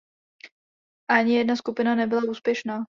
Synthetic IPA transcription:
ʔaɲɪjɛdnaskupɪnanɛbɪlauːspjɛʃnaː

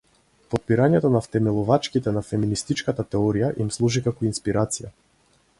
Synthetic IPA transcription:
pɔt̪̚piɾaɲɛt̪ɔnaft̪ɛmɛlˠuvat͡ʃkit̪ɛnafɛminist̪it͡ʃkat̪at̪ɛɔɾijaʔimslˠuʒikakɔinspiɾat̪sija̰

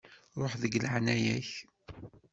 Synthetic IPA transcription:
ɾˤoħðəɡlʕnæjæç

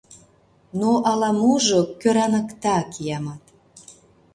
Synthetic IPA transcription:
noʔɑlɑmuʒokøɾɑnə̆kt̪ɑkijɑmɑt̪

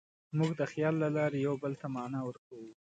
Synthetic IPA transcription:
muɡd̪əxjɑlːalɑɾejawbəlt̪amɑnɑwəɾkawu

